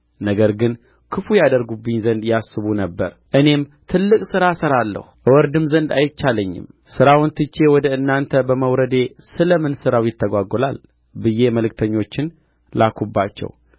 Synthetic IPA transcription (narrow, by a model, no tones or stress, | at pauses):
nəɡəɾɡɨn | kʰɨfujad̪əɾɡubːɨɲzənd̪jasːɨβunəbːə̰ɾʔɨne̞mt̪ʰɨlːɨkʼsɨɾasəɾalːə̰huəwɔɾd̪ɨmzənd̪a̰jɪt̪t͡ʃːaləɲːɪ̰msɨɾawnt̪ʰɨt͡ʃːe̞wɔd̪əɨnːant̪ʰəbəməwɾəd̪e̞ | sɨləmɨnsɨɾawjɪt̪ʰːəɡʷaɡɔla̰l | bɨjːe̞məlɨk̚t̪ʰəɲːo̞t͡ʃːɪn | lakʰubːat͡ʃːɛ̰w